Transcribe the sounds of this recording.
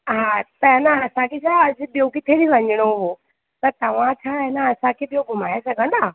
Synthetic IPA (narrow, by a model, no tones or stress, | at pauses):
ɦat̪ɐɦenəɐsãkʰet͡ʃʰaːɐd͡ʑʊ̆ɓijokit̪ʰeːɽiʋɐ̃ɲɪɽ̃oʊɦo | t̪ɐɾt̪ɐʋ̤ãt͡ɕʰaːɦɛnəɐsãkʰeːɓijoɡʱʊmaːjesɐɡʱə̃nd̪aː